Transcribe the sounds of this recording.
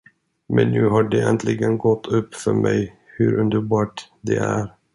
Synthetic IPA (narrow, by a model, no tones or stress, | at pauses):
mɛnːʉ̟ːɦaɖeʔɛnt̪ʰlɪɡənɡɔt̪ʰːɵpːfœɾmɛj | hʉɾɵnd̪əɾbɑːʈ | d̪ɛʔæɾ